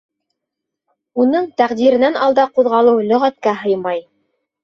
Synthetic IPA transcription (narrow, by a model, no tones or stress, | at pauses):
unɤɴt̪æqd̪iɾɘ̆nænɑlˠd̪ɑquðʁɑlˠɤwlɵ̆ʁæt̪̚kæɦɤjmɑj